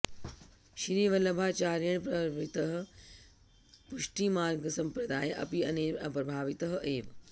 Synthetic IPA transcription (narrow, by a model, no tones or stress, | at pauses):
ʃɾiːʋɐlɐbʱaːt͡ʃaːɾjɐɳpɾɐʋit̪ɐɦə̆ | puʃʈiːmaːɾɡɐsɐmpɾɐd̪aːjʔɐ̰piɐneɐpɾɐbʱaːʋit̪ɐɦəʔeːʋ